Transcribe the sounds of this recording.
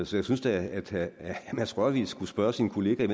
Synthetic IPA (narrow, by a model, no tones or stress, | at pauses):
sɒ̽jɑsynsd̥ææd̥æmæsʁɒʋḭ̥sɡ̥usb̥ɶɐsinkʰo̝le̝ːɡ̥æime